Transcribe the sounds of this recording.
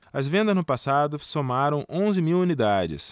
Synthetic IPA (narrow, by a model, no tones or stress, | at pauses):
ɐzvẽnd̪ɐznʊpasad̪ʊsomaɾɐ̃w̃ʔõzɪmiwunid̪ad͡ʒɪ̰s